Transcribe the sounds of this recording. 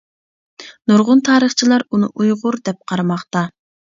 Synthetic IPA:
nuɾʁʊnt̪ʰɑːɾəχt͡ʃʰilˠɑɾunɨ̰ʔujʁʊɾd̪ɛp̚qʰɑɾɑmɑχt̪ɑ

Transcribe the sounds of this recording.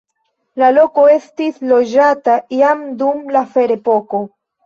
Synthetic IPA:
lalo̞ko̞e̞stislo̞d͡ʒataiamdumlafe̞ɾe̞po̞ko̞

